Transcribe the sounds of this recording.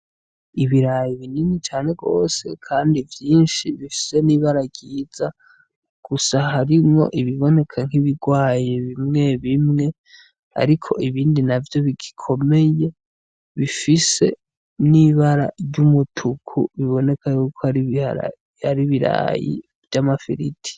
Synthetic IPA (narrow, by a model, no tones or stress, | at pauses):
iβiɾajiβininit͡ʃaːne̞ɡo̞̰ːse̞̰kʰaːndivjiːnʃiβifi̥se̞niβaɾaɡɟiːz̥a | ɡ̥usaɦaɾimŋo̞̰ʔiβiβo̞ne̞kʰaŋ̥hiβiɡwaːjeβimŋe̞βimŋe̞ | a̰ɾikʰo̞̰ʔiβiːndinavjo̞βiɡikʰo̞me̞je̞ | βifise̞ | niβaɾa̰ɾɟumutʰukʰṵβiβo̞ne̞kʰajuːkʰoaḭ | aɾiβiɾa̰jḭ | vjamafiɾitʰi̥